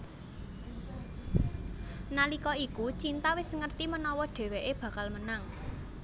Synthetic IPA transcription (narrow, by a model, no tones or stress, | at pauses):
nalikɔikut͡ʃint̪awɪsŋərt̪imənɔwɔɖ̥ɛ̤weʔeb̥ä̤kalmənaŋ